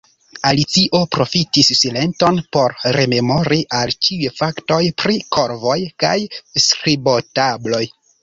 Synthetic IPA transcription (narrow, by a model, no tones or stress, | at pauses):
alit͡siʔo̞pɾo̞fitisːile̞nto̞npo̞ɾɾe̞me̞mo̞ɾiʔalt͡ʃiujfakto̞jpɾiko̞ɾvo̞jka̰jskɾibo̞tablo̞j